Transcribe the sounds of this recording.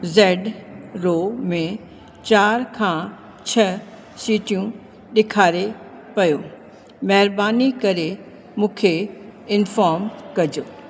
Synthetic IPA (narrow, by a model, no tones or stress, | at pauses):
zɛːɖɾoːmẽ | t͡ɕaːɾkʰãː | t͡ɕʰɐ | siːʈijũ | ɗɪkʰaːɾe | pɐjoː | mɐɦɪɾbaːnikɐɾe | mũːkʰeɪnfaːɾmkɐd͡ʑo